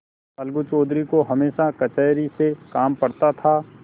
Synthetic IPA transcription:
ɐlɡut͡ʃoːd̪ɾikoɦɐmeːʃakɐt͡ʃəːɾisekaːmpɐɾt̪at̪ʰaː

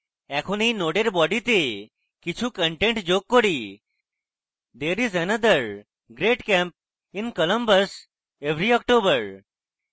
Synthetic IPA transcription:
ɛkʰoninoɖeɾbɔɖit̪e | kit͡ʃʰukə̃ɳʈẽɳʈd͡ʑokːoɽi | d̪eɾizənəd̪əɾ | ɡɾeʈkɛ̃mp̚ | ĩnkɔlə̃mbəs | eʋɾiɔk̚ʈobəɾ

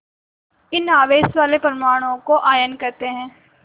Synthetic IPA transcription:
ɪnaːʋeːsʋaːlepɾɐmaːɽ̃õkoʔaːjənkɐɾt̪eɦɛ̃ː

